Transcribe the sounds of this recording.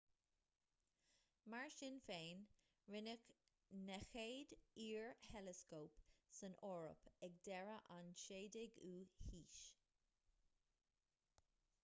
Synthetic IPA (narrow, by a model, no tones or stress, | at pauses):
maɹʃɪnfeːn | ɹɪnək | nɛxeːdiːɹhɛləskoːpsənʔɔːɹə̰pɛɡ̚dɛɹəʔanʃeːdɪɡuːhiːʃ